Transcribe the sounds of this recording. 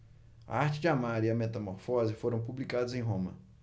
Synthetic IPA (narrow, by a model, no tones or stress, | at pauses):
ɐ̰aɾt͡ʃɪd͡ʒɪamaɾiɐmet̪ɐmoɾfɔzɪfoɾɐ̃w̃publikad̪ʊzẽj̃ɦõmɐ̰